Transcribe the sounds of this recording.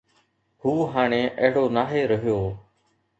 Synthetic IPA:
huːɦaːɳ̃eːʔəɦɽoːnaːɦeːɾəɦɪjoː

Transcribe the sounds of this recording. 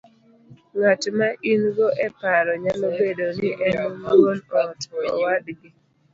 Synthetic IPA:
ŋatmaʔinɡoʔɛpaɾɔɲalobedonɪʔɛnɔmaŋonɔtʰɔɔ̰wadɡɪ

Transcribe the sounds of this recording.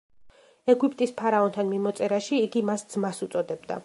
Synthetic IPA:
ɛɡupʼt̪ʼispʰaɾaɔnt̪ʰanmimɔt̪sʼɛɾaʃiːɡimasd̪z̥masut̪sʼɔd̪ɛbd̪a̰

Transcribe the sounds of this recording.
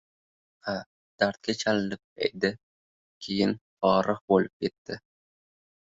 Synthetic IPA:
a | d̪̥aɾt̪̚kʲat͡ʃʰalɪnɪp̚ḛjd̪ɪ | kʲʰe̞jɪnbɒɾɨqbolɪp̚kʲe̞t̪ʰːɪ

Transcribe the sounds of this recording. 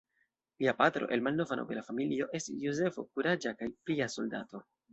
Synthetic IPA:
liapatɾo̞̰ʔe̞lmalno̞vanʔo̰belafamilio̞ʔe̞stisjoze̞fo̞̰kuɾad͡ʒakajpliaso̞lda̰to̞

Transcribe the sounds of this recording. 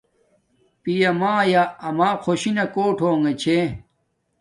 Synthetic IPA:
pijɐmaːjaɐmaːkʰoɕinɐkoːʈʰoːŋet͡ɕʰe

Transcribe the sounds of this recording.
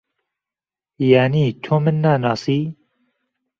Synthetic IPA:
jaːniːt̪ʰoːmɨnːaːnɑːsiː

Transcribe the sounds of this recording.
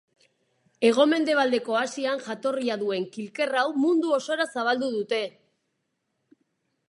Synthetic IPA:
e̞ɣ̞o̞me̞nd̪e̞β̞ald̪e̞ko̞asianʝat̪o̞riaðue̞ŋkilke̞rawmund̪uo̞so̞ɾasaβ̞ald̪uðut̪e̞

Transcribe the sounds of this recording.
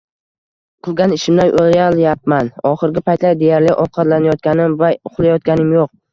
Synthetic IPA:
qʰɨlˠɡʲanɪʃɪmd̪ajʔoljaljap̚manɒχɨɾɡʲɪpʰajt̪lajd̪e̞jaɾlɪʔɒwqʰɑt̪lanajɒt̪̚kʲanɪmvaʊχlˠajɒt̪̚ɡʲanɪmjoq̚

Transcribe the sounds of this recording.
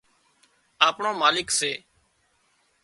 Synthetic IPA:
aːpɳõːmaːlɪkseː

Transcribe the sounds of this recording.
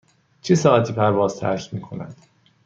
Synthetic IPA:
t͡ʃʰesɒːʔæt̪ʰiːpʰæɾvɒːz̥t̪ʰæ̰ɾʃmiːkʰo̞næ̰d̪̥

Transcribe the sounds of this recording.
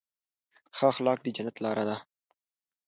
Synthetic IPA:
xaxlɑk̚d̪əd͡ʒanat̪lɑɾʔad̪a

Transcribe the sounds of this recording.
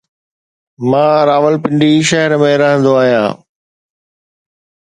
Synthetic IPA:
mãːɾaːʋəlpɪ̃ɳɖiʃɐɦəɾmẽɾɐɦə̃nd̪oaːɦijã̰ː

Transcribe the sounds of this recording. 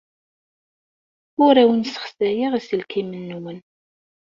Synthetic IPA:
ʊɾæwənsə̥χsæjiʁisəlkimənːuwən

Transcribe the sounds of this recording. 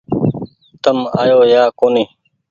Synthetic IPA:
t̪əmaːjoːjaːkoni

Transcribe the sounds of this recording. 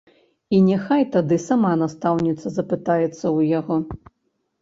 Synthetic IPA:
inʲɛxajt̪ad̪ɨsamanast̪awnʲit̪sːɐzɐpɨt̪ajɛt̪sːɐwjaɣɔ

